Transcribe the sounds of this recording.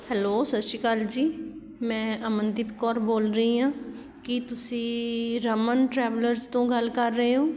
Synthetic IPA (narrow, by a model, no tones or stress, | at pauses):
hɛloːsəʃiːkaːld͡ʒiː | mɛ̃ːʔəmənd̪ɪpkɔːɾboːlɾəĩːɦãː | kɪt̪ʊsĩːɾəmənʈɾɛːʋləɾzt̪õːɡəlkəɾːəeːɦõː